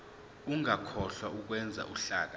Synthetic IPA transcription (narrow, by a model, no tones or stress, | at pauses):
uŋakʰɔɬwauk̬wɛnd͡zʱa̰ʔuɬaːk̬a